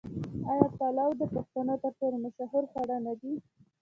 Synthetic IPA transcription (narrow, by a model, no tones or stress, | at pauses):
ɑjɑpalawd̪əpaxt̪anot̪əɾpoɾemaʃaɦʊɾxwaɽanad̪i